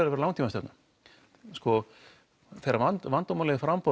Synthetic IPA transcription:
ɾavɛɾlawŋt̪imasɛp̪nʏ | skɔ | θɛɾavant̪vant̪ɔmalɛðɪfɾampɔ

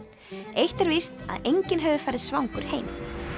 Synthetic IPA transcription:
ejht̪ɛɾvist̪a̰ðejɲcɪnɦɛvʏfaːjɾɪðsvawŋkʏɾ̥hejm

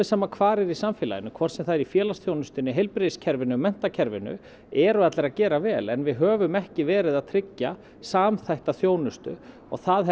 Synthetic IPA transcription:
ɪsaːmakʰvaːɾɪɾisamfjɪːla̰jɪnːʏkʰvɔr̥sɛmθaðɛɾifjɛːlasθjownʏst̪ʏnːɪɦejlpɾeðscʰɛɾvɪnːʏmɛn̥t̪acʰɛɾvɪ̰nʏ̰ | ɛɾʏat̪lɛɾaðcɛːɾavɛːlɛnvɪðɦœːvʏmɛhcɪvɛːɾɪðaðt̪ʰɾɪcːa | saːmθajht̪aθjoːwnʏst̪ʏ̰ | ɔ̰ɣθaðɛ

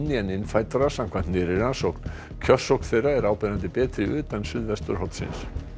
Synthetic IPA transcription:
nːɪɛnɪnfaːjt̪aɾḁsam̥kʰvant̪nɪɾɪɾansowkn̥ | kʰœ̥sːowkn̥θejraɛɾaːwpɛɾant̪ɪpɛːt̪ɾɪʏːt̪ansʏðvɛst̪ʏɾ̥ɦɔt̪sɪ̰ns

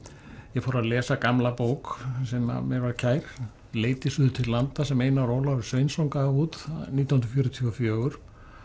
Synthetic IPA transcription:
jɛfoːɾaðlɛːsakamlapoːwksɛma̰mjɛɾvaɾcʰaːjɾ̥ | leːjt̪ɪsʏːðt̪ʰɪllːant̪asɛmeːjnaɾoːwlaʏɾ̥svejnsowŋkaauːt̪nit̪anh̪nɾfjɔːɾʏt̪ʰiɔfjœːɣʏɾ̥

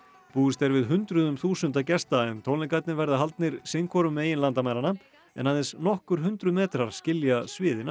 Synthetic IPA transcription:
puːʏst̪ɛɾvɪðɦʏnt̪ɾʏðʏmθuːsʏnt̪acɛst̪aɛnt̪ʰowlɪkat̪nɪvɛɾðaɦalt̪nɪɾsɪŋkʰɔɾʏmeːjɪnlant̪amajɾana | ɛ̰naðɛnsnɔhkʏɾ̥ɦʏnt̪ɾʏmɛːt̪ɾaɾ̥scɪljasvɪːðɪna

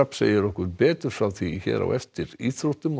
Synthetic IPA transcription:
apsḛːjɪɾɔhkʏɾpɛːt̪ʏɾ̥fɾawθiçɛ̰ːðɾa̰wʔɛft̪ɪɾiθɾoht̪ʏm

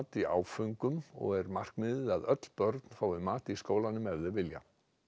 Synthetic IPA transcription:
t̪ia̰ːwfʏŋkʏmɔ̰ɣɛɾmar̥kmɪːðɪðaðœt̪l̥pœɾt̪n̥faːwɪmaːt̪iskoːwlanːʏmɛvðɪvɪlja̰

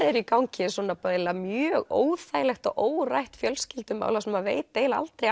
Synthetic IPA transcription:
ɾɛɾikawɲcɪswɔːnapelːamjœːɣo̰ːwθajlɛxt̪ɔɣʔoːwrajht̪fjœlscɪlt̪ʏma̰ːwlasɛmavḛjtt̪ejlaa̰lt̪ɾej

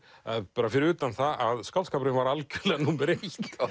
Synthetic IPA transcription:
aðpaɾafɪɾʏːt̪anθaʔaðskalskaːpɾɪnvaɾalcʏlɛnupɪɾet̪

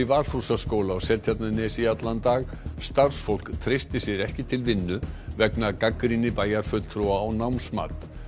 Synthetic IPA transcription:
ivaɾ̥θhusaskowlaawsɛlt̪ʰjat̪nanɛsiat̪lant̪aɣ | st̪ar̥sfowl̥kt̪ʰɾejst̪ɪsjɛɾɛhcɪt̪ʰɪlvɪnːʏvɛknakakɾinɪpaːjaɾ̥fʏt̪l̥t̪ʰɾuaɔwnawnsma̰ːt̪

